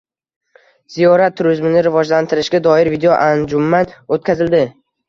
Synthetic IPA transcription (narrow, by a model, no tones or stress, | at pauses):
zijɒɾat̪ʰːʊɾɪzmɪnɪɾɪvɒd͡ʒlant̪ʰɪɾɪʃɡʲad̪ɒɪɾvid̪ejoʔand͡ʒʊmːanot̪̚kʲazɪld̪ɪ